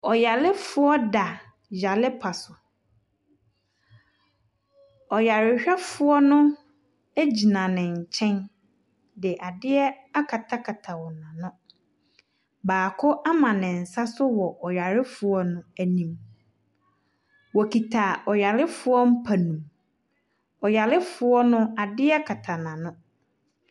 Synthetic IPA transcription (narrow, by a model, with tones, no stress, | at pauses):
ɔ˨ja˨lɪ˦fʊ˦ɔ˦da˨ | ja˨lɪ˦pʰa˨sʊ˨ | ɔ˨ja˨ɾɪ˦ɕᶣɛ˦fʊ˦ɔ˦nʊ̃˦ | æ˦d͡ʑi˨nã˨nɪ̃˨ɲ̩˨t͡ɕʰɛ̃˦n | dɪ˨ʔa˨dɪ˦ɛ˦ | a˦kʰa˨tʰa˦kʰa˨tʰa˨wɔ˨nã˨nʊ̃˦ | baː˨kʰʊ˦ʔa˦mã˨nɪ̃˨n̩˨sa˦sʊ˦wɔ˨ʔɔ˨ja˨ɾɪ˦fʊ˨ɔ˦nʊ̃˦æ˨nĩ˨m | wɔ˨kʰi˨tʰa˨ɔ˨ja˨lɪ˦fʊ˦ɔ˦m̩˦pʰæ˨nũ˨m | ɔ˨ja˨lɪ˦fʊ˨ɔ˦nʊ̃˦a˨dɪ˦ɛ˦kʰa˨tʰa˨nã˨nʊ̃˦